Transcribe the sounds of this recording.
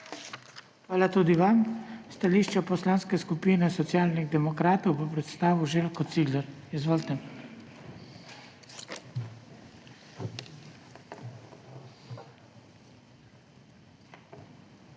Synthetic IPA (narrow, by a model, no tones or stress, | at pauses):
xʋaːlat̪ud̪iʋamst̪aliːʃt͡ʃɛpɔslaːnskɛskupiːnɛsɔt̪sjaːlniɣd̪ɛmɔkɾaːt̪ɔwvəpɾɛt̪st̪aːʋuʒelkɔt̪siːɡlɛɾizʋolt̪ɛn